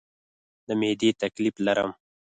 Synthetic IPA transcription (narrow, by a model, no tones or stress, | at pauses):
d̪əmed̪et̪akliflaɾə̰m